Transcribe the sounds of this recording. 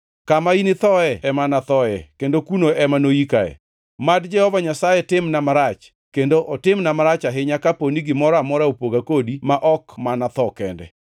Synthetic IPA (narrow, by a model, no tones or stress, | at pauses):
kamainɪt̪ɔɛɛmanat̪ɔɛkendokunoɛmanoikaɛ̰ | madd͡ʒɛhɔvaɲasajɛtɪmnamaɾat͡ʃ | kendoʔɔtɪmnamaɾat͡ʃaɦɪɲakaponiɡɪmɔɾamɔɾaopoɡakodimaʔɔkmanat̪ɔkɛndɛ̰